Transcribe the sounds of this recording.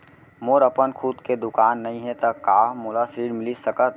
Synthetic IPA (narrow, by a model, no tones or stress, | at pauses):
moːɾəpənkʰud̪ked̪ʊkaːnːɐɦĩɦɛ̃t̪ɐkaːmoːlasiːɽmɪlisəkət̪